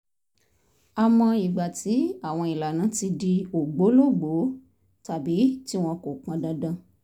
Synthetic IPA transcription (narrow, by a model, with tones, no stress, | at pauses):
a˨mɔ̃˧i˨ɡ͡ba˨ti˨˦a˨w̃ɔ̃˧i˨la˨nã˨˦ti˧di˧o˨ɡ͡bo˨˦lo˦˨ɡ͡bo˨˦ | ta˨bi˨˦ti˦w̃ɔ̃˧ko˨k͡pã˧dã˧dã˧